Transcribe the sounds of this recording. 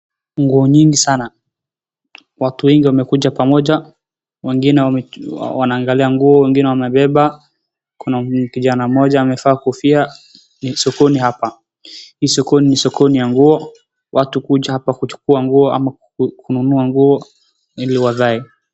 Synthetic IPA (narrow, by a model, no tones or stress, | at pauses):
ŋɡuɔɲiŋɡisana | watuwɛŋɡiwamɛkuʄapamɔʄa | wɛŋɡinɛwawanaːŋɡaliaŋɡuɔwɛŋɡinɛwamɛɓɛɓa | kunakiʄanamɔʄaːmɛfaːkufia | nisɔkɔnihapa | hiːsɔkɔninisɔkɔnijaŋɡuɔ | wʔatukuʄahapakut͡ʃu̥kuaŋɡuɔa̰ma | kununuaŋɡuɔ | iliwaðaɛ